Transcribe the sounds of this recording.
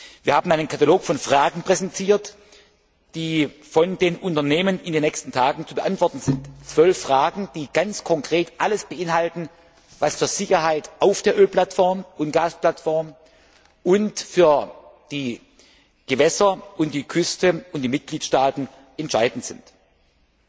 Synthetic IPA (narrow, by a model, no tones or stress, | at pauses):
viːɐhaːbmn̩aɪnənkʰataloːkfɔnfʁ̥aːɡŋ̩pʁ̥ɛzɛntʰiːɐt | d̥iːfɔndeːnʔʊntɐneːmənɪndeːnːɛçstn̩tʰaːɡŋ̩t͡subəʔantv̥ɔɐtn̩zɪntt͡sv̥œlfʁ̥aːɡŋ̩d̥iːɡ̥ant͡skʰɔŋkʁ̥eːtʔaləsb̥əʔɪnɦaltn̩ | vasfyːɐz̥ɪçɐɦaɪtʔaʊfd̥eːɐʔøːlpl̥atfɔɐmʊntɡ̥aːsplatfɔɐm | ʔʊntfyːɐ | d̥iː | ɡ̥əvɛsɐʔʊnt̚d̥iːkʰʏstəʊnt̚d̥iːmɪt̚ɡ̥liːtʃtaːtn̩ | ɛntʃaɪdn̩tz̥ɪnt